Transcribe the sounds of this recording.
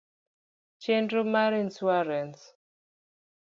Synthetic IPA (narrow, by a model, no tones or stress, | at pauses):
t͡ʃɛndɾomaɾinswaɾɛns